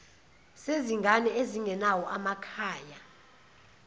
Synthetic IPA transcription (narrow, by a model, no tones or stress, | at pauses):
seziŋɡʱanɛeziŋɛnawɔʔamakʰaːja